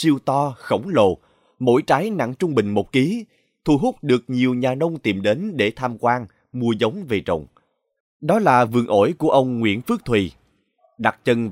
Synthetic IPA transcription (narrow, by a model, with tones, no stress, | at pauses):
si˧əwt̪ɔ˧xə˧˩wŋ͡mlo̰˨˩ | mo̰˧˥jt͡ɕaː˨˦jna̰˧˥ŋt͡ɕʊ˧ŋ͡mɓï˨˩ŋ̟mo˨˩t̚ki˨˦ | t̪ʰu˧˩ɦʊ˦˥k͡p̚ɗɨ˨˩ək̚ɲi˨˩əwɲaː˨˩nə˧wŋ͡mt̪i˨˩mɗe˨˦nɗe˧˩t̪ʰaː˧mkwaː˧n | mu˧əzə˨˦wŋ͡mve˨˩t͡ɕə̰˧˨wŋ͡m | ɗɔ˨˦laː˨˩vɨ̰˨˩əŋʔo̰˧˥˩jku˧˩əʔə˧wŋ͡mŋwḭ˧˥ənfɨ˦˥k̚t̪ʰwi˨˩ | ɗa˨˩k̚t͡ɕə˧n